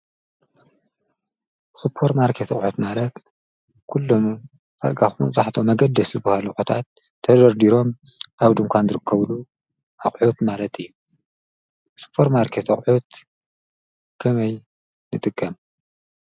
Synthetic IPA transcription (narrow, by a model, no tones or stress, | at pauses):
supʰːoɾmaɾkʰet̪ʰɐ̰χʼħut̪malɐt̪ | kʰulːom | fa̰ɾɡaxumɐ̰zʼaħt̪ʰomɐɡɐd̪ːɐszɨbhaluʔut̪ʰat̪ʰː | ɐd̪ɐɾd̪iɾo̞m | ʔaβd̪ɨmkʷanzɨɾɨkʰːɐβlu | ʔaχʼħut̪malɐt̪ʰɨjːu | sɨ̥pʰːo̞ɾmaɾkʰet̪ɐχʼħut̪ | kʰɐmɐj | nɨt̪ʼɨkʼːɐm